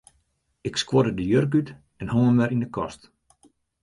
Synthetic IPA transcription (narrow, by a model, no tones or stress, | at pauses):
ɪkskwodədəjørk̬yt | ɛnhoŋəmɛɾindəkɔst